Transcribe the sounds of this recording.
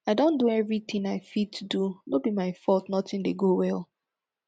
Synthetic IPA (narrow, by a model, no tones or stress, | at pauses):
aɪdõnduɛvɹit̪ĩŋaɪfid̚tʰudunobimaɪfɔltnɔtĩndeɡowɛlˠ